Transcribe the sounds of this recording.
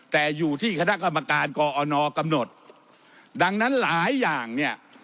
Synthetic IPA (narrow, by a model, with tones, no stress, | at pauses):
t̪ɛː˨˩juː˨˩t̪ʰiː˥˩kʰa˧na˦˥˩ʔka˧mːa˧kaː˧nkɔː˧ʔɔː˧nɔː˧ka˧mno˨˩t̪̚ | da˧ŋna˦˥nlaː˩˦jːaː˨˩ŋni˥˩ɐʔ